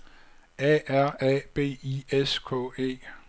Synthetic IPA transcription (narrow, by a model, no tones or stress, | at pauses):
ɛæɐ̰ɛb̥e̝̰ːieskʰɔ̰e̝̰ː